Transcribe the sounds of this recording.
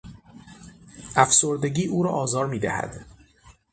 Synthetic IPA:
ʔæfso̞ɾd̪e̞ɟiːʔuːɾɒ̰ːʔɒːzɒːɾmiːd̪æ̰hæ̰d̪̥

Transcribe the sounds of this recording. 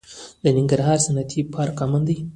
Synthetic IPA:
d̪ənɪŋɡaɾɦɑːɾsanat̪ʰipʰɑɾkɑmand̪aj

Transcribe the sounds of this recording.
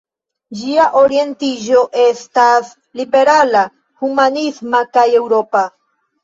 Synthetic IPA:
d͡ʒiaʔo̞ɾie̞ntiʒo̞ʔe̞stas | libe̞ɾala | humanismakaje̞wɾo̞pa

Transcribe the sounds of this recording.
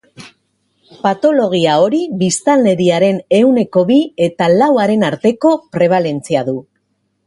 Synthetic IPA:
pat̪o̞lo̞ɣ̞iao̞ɾiβist̪alne̞ɾiaɾe̞ne̞wne̞ko̞βie̞t̪alawaɾe̞naɾt̪e̞ko̞pɾe̞β̞ale̞nt͡siaðu

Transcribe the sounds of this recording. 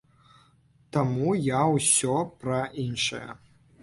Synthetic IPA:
t̪amujawsʲɔpɾɐʔinʂɐ̰jɐ̰

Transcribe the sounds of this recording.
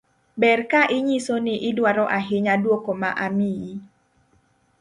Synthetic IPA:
bɛrkaʔɪɲisonɪʔɪdwaɾɔʔaɦɪɲadwokoma̰ʔamii

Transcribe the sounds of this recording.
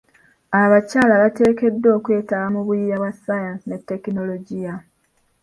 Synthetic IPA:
aβacaːlaβate̞ːke̞dːo̞ːkwe̞ːtaβamuβuijaβwasajansine̞tːe̞kino̞lo̞ɟija

